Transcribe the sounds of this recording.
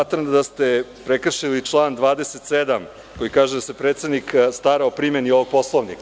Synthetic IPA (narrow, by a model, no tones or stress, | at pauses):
at̪ɾamd̪ast̪epɾekr̩ʃilit͡ʂlˠaːnd̪ʋaːd̪e̞set̪sed̪am | ko̞jikaːʒed̪ase̞pɾet̪sed̪nikst̪aɾaopɾimenioʋoɡ̚po̞slˠoʋnik